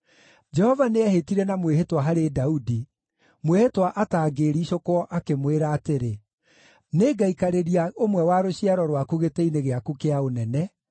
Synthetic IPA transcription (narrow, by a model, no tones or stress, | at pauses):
d͡ʒɛhɔvaneɛhetiɾɛnamweɦetwaɦaɾedaudi | mwehetwaʔataːɡeːɾiɕokwɔʔakemweɾaːteɾe | neːɡaikaɾeɾiaʔomwɛwaɾoɕiaɾɔɾwakuɣeteineɣeakukeaonɛnɛ